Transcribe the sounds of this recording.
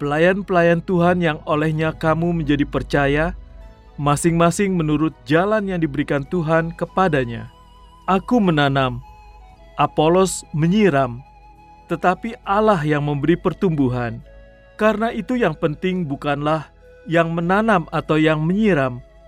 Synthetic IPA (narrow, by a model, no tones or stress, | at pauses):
pəlajanpəlajant̪uɦanjaŋolɛhɲakamuməɲd͡ʒadipərt͡ʃaja | masɪŋmasɪŋmənuɾʊt̪̚d͡ʒalanjaŋdibəɾikant̪uɦankəpadaɲa̰ | ʔakumənanam | ʔapolɔsməɲiɾam | t̪ət̪apiʔalaɦjaŋməmbəɾipərt̪umbuɦan | kaɾənaʔit̪ujaŋpənt̪ɪŋbukanlah | jaŋmənanamat̪awjaŋməɲiɾam